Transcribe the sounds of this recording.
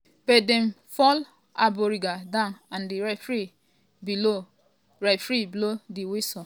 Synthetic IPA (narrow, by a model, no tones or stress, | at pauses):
b̥ɛdɛ̃m | fɔl | abɔɾiɡadãʊnãndiɹafɹe | bilo | ɹafɹebilodiwesɔ